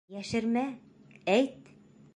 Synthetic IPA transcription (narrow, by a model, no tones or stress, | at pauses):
jæʃɘ̆ɾmæ | æjt̪